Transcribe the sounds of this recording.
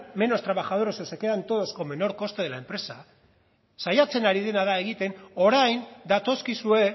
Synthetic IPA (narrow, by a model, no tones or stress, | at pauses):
me̞no̞st̪ɾaβaxaðoɾosesekeðant̪o̞ðo̞sko̞me̞no̞ɾko̞st̪e̞ð̞e̞lae̞mpɾe̞sa | sajat͡se̞naɾið̞e̞naðae̞ɣit̪e̞no̞ɾajnd̪at̪o̞skisue̞